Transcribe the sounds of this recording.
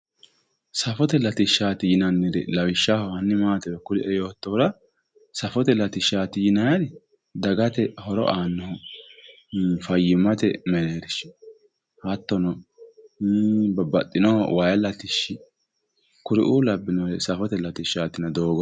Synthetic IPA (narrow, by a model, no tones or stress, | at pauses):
sɐfɔt̪ɛlɐt̪ɪʃːaːt̪ɪjɪnɐnːɪd̪ɛ̰lɐwɪʃːahɔhɐnːɪmaːt̪ɛwɛkʊɾɪʔɛjoːt̪ːɔɾɐ | sɐfɔt̪ɛlɐt̪ɪʃːaːt̪ɪjɪnɐjɐd̪ɪ | d̪ɐɡɐt̪ɛhɔɾɔ̰ʔaːnːɔhɔ | fɐjːɪmːɐt̪ɛmɛneːɾɪʃ | hɐt̪ːɔnɔ | bɐbɐt̪ʼːɪnɔhɔ̰wajɐlɐt̪ɪʃːɪ | kʊɾɪ̰ʔulɐbːɪnɔɾɛsɐfɔt̪ɛlɐt̪ɪʃaːt̪ɪnɐd̪o̞ːɡɔ